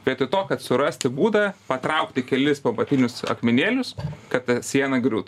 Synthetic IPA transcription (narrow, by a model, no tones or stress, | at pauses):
bʲɛt̪ɪt̪oːkɐt̪sʊɾɐsʲt̪ʲɪbuːd̪ɐpɐt̪ɾɐʊkt̪ʲɪkʲɛlʲɪspɐbɐt̪ʲɪnʲʊsɐ̰kmʲɪnʲeːlʲʊskɐt̪sʲiɛnɐɡɾʲuːt̪